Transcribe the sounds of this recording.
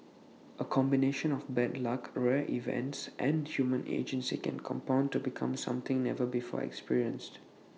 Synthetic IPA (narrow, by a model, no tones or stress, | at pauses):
ʔəkʰɔ̃mbineʃə̃nɔfbɛtlakɹɛʔivɛ̰̃ntsʔɛ̃nhjumə̃nʔḛd͡ʒə̃nsikʰɛ̰̃nkʰɔ̰̃mpãʊ̃ntubikʰã̰msã̰mt̪ɪ̃ŋnɛvəbifɔ̰ɛ̰kspiɹiə̃nst